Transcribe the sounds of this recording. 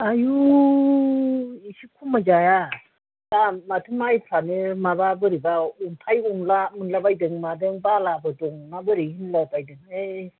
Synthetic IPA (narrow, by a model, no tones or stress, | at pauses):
aju | isikʰumad͡ʒaja | damatʰumajpʰanɯmaβabɯɾibauŋpʰajuŋlamɯnlabajdɯŋmadɯŋbalabɯduŋmabɯɾihinlapajdɯŋe